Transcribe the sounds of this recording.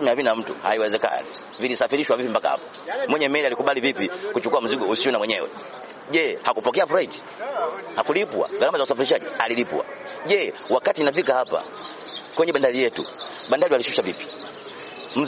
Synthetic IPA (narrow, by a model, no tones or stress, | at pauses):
mɛavinam̩tṵha̰iwɛzɛka̰nḭ | vilisafiɾiʃwavipimbaka̰ha̰pḁ | mwɛɲɛmɛɛlialikuɓalivipikut͡ʃukuam̩ziɡɔusiɔnamwɛɲɛwɛ̰ | ɟɛhakupɔkɛafuɾaiti̥ | hakulipwa̰ɡaɾamazausafiɾiʃaɟialilipw̰a̰ɟɛwakatinafikahapa̰ | kwɛɲɛɓandalijɛtṵɓandaliwalisu̥ʃavipi̥ | m̩